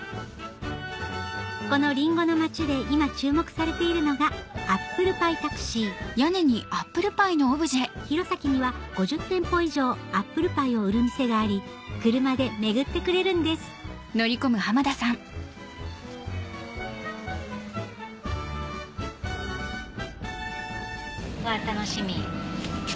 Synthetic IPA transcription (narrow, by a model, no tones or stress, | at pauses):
ko̞no̞ɾʲĩŋɡo̞no̞mat͡ɕid̪e̞imat͡ɕɨːmo̞kɯ̟̥saɾe̞t̪e̞iɾɯ̟no̞ɡaapːɯ̟ɾɯ̟pait̪akɯ̟̥ɕijaneɲ̟iapːɯ̟ɾɯ̟paino̞ːbɯ̟ʑieçiɾo̞sakʲiɲ̟iβaɡ̥o̞ʑɨt̪ːẽ̞mpo̞iʑo̞ːapːɯ̟ɾɯ̟paio̞ɯ̟ɾɯ̟mise̞ɡaːɾʲi | kɯɾɯ̟mad̪e̞me̞ɡɯ̟t̪ːe̞kɯ̟ɾe̞ɾɯ̟̃nd̪e̞sɨ̥ | no̞ɾʲiko̞mɯ̟hamad̪asãŋ | βat̪ano̞ɕimʲi